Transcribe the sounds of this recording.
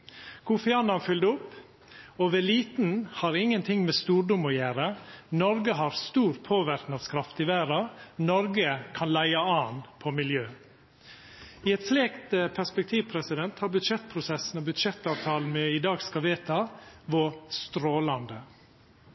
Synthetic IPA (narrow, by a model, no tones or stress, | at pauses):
kʰʊfɪɑːnɑnfʏld̪əʊpː | ɔʋɛliːt̪n̩hɑɾɪŋːənt̪ʰɪŋmɛːst̪uːɾɖʊmɔjæːɾənɔɾɡəɦɑɾst̪uːɾpʰoːʋæɾknɑskʰɾɑft̪ɪʋæːɾɑnɔɾɡəkʰɑnlæɪɑɑːnpʰɔmɪljøː | iːɛt̪sleːkt̪əpʰæspɛk̚t̪ʰiːʋpʰɾɛsɪd̪ɛnt̪hɑɾbʉd̪ʃɛt̪pʰɾʊsɛsn̩ɔbʉd̪ʃɛt̪ːɑːʋt̪ʰɑːln̩mɛɪd̪ɑːɡskɑʋeːt̪ɑʋɔst̪ɾoːlɑnd̪ə